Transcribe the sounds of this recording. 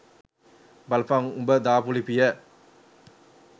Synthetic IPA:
balfaŋumbəd̪aːpulipijə

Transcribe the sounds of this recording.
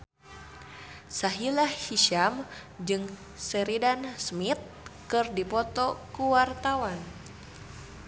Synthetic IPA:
saɦilahhiʃamd͡ʒɨŋ | sɛɾidansmit̪̚kɨrdipɔt̪ɔkuwart̪awan

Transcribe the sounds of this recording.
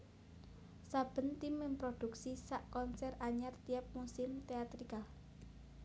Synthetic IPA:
sab̥ə̤nt̪imːɪmpɾod̪̥ṳksisaʔkɔnsɛraɲart̪iɛp̚musɪmt̪eat̪ɾika

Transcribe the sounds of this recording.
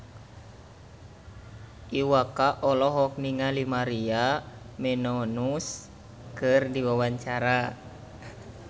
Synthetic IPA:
ʔiwakaʔɔlɔɦɔk̚niŋalimaɾiamɛnɔnus | kɨrdiwawaɲt͡ʃaɾa

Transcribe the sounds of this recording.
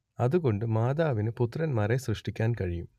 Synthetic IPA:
ɐðuɣo̞ɳɖɨmaːðaːʋinɨput̪ːrɐnmɐɾesrɨʂʈikʲːaːnkɐɻijum

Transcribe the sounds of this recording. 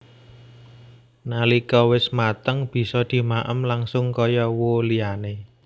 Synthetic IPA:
nalikɔwɪsmat̪əŋb̥i̤sɔd̪̥i̤maʔəmlaŋsʊŋkɔjɔwoliane

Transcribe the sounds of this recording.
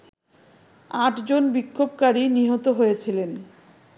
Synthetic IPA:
aʈd͡ʑonbikʰːobkaɾiniɦot̪oɦojet͡ɕʰilen

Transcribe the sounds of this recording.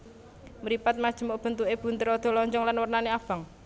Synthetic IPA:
məɾipat̪̚mad̥ʒ̥ə̤moʔb̥ə̤nt̪uʔeb̥ṳnt̪əɾɔd̪̥ɔ̤lɔɲd͡ʒɔŋlanwərnaneab̥a̤ŋ

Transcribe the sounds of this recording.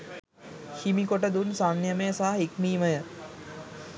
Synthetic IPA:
himikoʈəd̪unsanjəmejəsaːekmiːməjə

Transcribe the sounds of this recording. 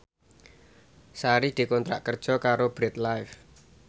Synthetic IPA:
saɾɪd̪̥i̤kɔnt̪ɾa̰ʔkərd̥ʒ̥ɔ̤kaɾob̥ɾɛt̪̚lajf

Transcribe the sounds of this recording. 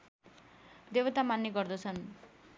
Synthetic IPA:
d̪ebʌt̪amanːeɡʌrd̪ʌt͡sʰʌn

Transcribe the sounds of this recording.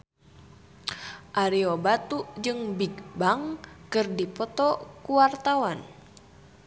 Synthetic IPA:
ʔaɾiɔbat̪ud͡ʒɨŋbiɡbaŋkɨrdipɔt̪ɔkuwart̪awan

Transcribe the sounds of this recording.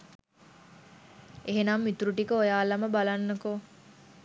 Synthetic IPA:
eɦenaːmːit̪uɾuʈikəojaːlaməbalanːəko

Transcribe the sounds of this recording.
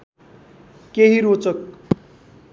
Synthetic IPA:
keɦiɾot͡sʌk̚

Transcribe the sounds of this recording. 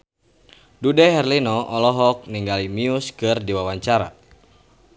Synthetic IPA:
dudɛɦɛrlinɔʔɔlɔɦɔk̚niŋɡalimiuskɨrdiwawaɲt͡ʃaɾa̰

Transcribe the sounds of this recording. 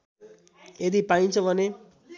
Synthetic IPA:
ed̪ipaint͡sʰʌbʱʌne

